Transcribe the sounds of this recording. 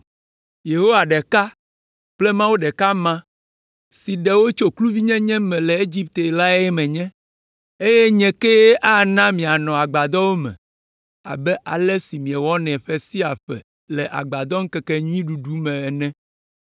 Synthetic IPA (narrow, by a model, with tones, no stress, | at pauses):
je˨ɦo˦wa˨ɖɛ˨ka˦ | k͡ple˦mã˦wo˦ɖɛ˨ka˦mã˦ | si˨ɖɛ˨wo˦t͡ʃo˦klu˦vi˦ɲɛ̃˦ɲɛ̃˦mɛ̃˨lɛ˨e˦d͡ʑi˦p̚t̪e˨la˦jɛ˦mɛ̃˨ɲɛ̃˦ | e˦je˦ɲɛ̃˦ke˦ʔa˦nã˦mĩ˨a˨nɔ̃˨a˨ɡ͡ba˨d̪ɔ˦wo˦mɛ̰̃˨ | a̰˨bɛ˦ʔa̰˨lɛ˦si˨mĩ˨ɛ˨wɔ˦nɛ̃˨ɸe˦si˦a˨ɸɛ̰˨ | lɛ˨ʔa̰˨ɡ͡ba˨d̪ɔ˦ŋ̩˦kɛ˨kɛ˦ɲĩ˦ɖu˨ɖu˦mɛ̃˨ɛ˨nɛ̃˦